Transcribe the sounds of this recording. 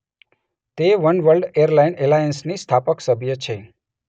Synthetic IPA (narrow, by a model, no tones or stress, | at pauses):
t̪eʋənʋəlɖeəɾlainelajənsnist̪ʰapəksəbʱjət͡ʃʰe